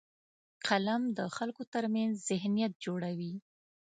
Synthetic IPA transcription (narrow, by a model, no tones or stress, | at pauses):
qalamd̪əxalkot̪əɾmanzzɪɦnijat̪̚d͡ʒoɽawi